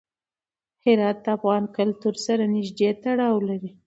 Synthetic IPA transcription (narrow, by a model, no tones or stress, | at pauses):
hɪɾɑt̪̚d̪əafɣɑnkʊlt̪uɾsaɾanɪʒd̪et̪aɽɑwlaɾi